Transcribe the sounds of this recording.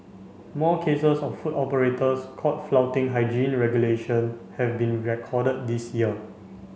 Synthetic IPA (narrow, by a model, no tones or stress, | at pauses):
mɔkʰesəsɔffutɔpəɹetəskʰɔt̚flawtɪ̃ŋɦaɪd͡ʒĩnɹɛɡjuleʃə̃nhɛvbĩnɹɛkʰɔdət̚disjiə